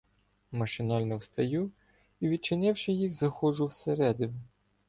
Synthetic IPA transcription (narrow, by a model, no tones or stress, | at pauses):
mɐʃɪnɑlʲnɔwst̪ɐju | iʋʲid̪̚t͡ʃɪnɪwʃɪjixzɐxɔʒʊwseɾɛd̪ɪnʊ